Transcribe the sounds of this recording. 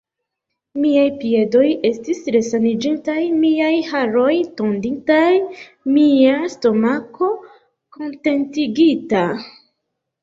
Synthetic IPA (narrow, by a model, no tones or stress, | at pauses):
miajpie̞do̞je̞stisɾe̞sanid͡ʒintajmiajhaɾo̞jto̞ndintaj | miasto̞mako̞ | ko̞nte̞ntiɡita